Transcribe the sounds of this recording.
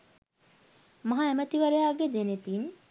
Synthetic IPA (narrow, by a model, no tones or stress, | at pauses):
mɐɦaæmət̪iʋɐɾejaːɡed̪enet̪in